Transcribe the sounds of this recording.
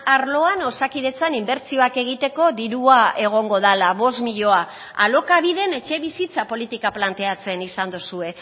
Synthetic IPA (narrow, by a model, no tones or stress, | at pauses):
aɾlo̞ano̞sakiðe̞t͡sanimbe̞ɾt͡sio̞ake̞ɣ̞it̪e̞ko̞ðiɾuae̞ɣ̞o̞ŋɡo̞ðalaβo̞smiʎo̞a | alo̞kaβiðe̞ne̞t͡ʃe̞βisit͡sapo̞lit̪ikaplant̪e̞at͡se̞nisand̪usue̞